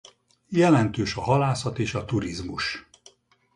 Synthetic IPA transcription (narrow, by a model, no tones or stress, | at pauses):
jɛlɛnt̪øːʃɒɦɒlaːsɒt̪eːʃɒt̪uɾizmuʃ